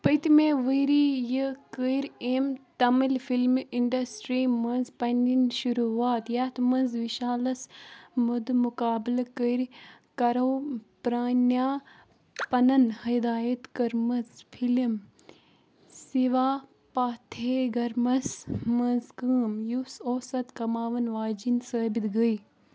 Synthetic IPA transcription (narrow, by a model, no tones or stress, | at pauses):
pət̪imeːʋəiɾijikəiɾʲemt̪ɐmilfilmiɳɖɐsʈɾiːmɐnzpɐndinʃuɾuaːt̪jaːt̪ʰmɐnzʋiʃaːlɐsmud̪mukaːblkəɾ | kɐɾɐːpɾaːnaː | pɐnɐnhɐd̪aːjɐt̪kɐɾmɐzfʰilm | siʋaː | paːt̪ʰeːɡɐɾmɐsmɐnzkəːmjusoːsɐt̪kɐmaːʋɐnʋaːd͡ʒinsəːbit̪ɡəi